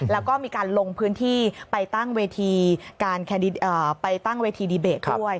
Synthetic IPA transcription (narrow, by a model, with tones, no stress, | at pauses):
lɛː˦˥wkɔː˥˩miː˧kaː˧nlo˧ŋpʰɯː˦˥nt̪ʰiː˥˩pa˧jt̪a˥˩ŋweː˧t̪ʰiː˧kaː˧nkʰɛː˧ndi˦˥ʔəː˨˩pa˧jt̪a˥˩ŋweː˧t̪ʰiː˧diː˧beː˨˩t̪ʰdu˥˩əj